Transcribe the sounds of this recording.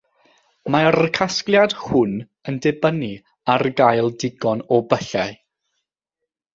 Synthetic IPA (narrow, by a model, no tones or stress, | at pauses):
maɾəkʰasklˠjad̥hʊn | əndɛbəni | arɡajlˠdɪɡɔnɔbəɬaj